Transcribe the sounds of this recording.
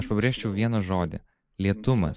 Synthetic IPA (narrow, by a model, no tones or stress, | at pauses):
ɐʃpɐbʲɾʲeːʃʲt͡ʃʲɛʊʋʲiɛnɐʒoːd̪ʲɪ̰ | lʲiɛt̪ʊmɐ̰s